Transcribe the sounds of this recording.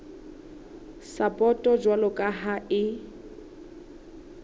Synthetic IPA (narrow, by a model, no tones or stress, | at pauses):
sapʼɔtʼɔd͡ʒwalʊkʼaɦaɪ